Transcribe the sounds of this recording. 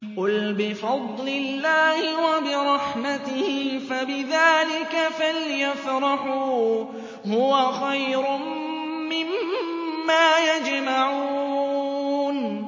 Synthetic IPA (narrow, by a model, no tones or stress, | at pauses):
qʊlbɪfɑd̪ˤlɪlːaːhɪwabɪɾˤɑħmat̪ɪhɪɪfabɪðaːlɪkafaljafɾˤɑħuː | hʊwaxajɾʊm | mɪmmː | aːjad͡ʒmaʕuː | n